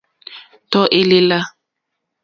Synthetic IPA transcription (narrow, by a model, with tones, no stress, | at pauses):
tɔ˦ʔe˦lɪ˦la˦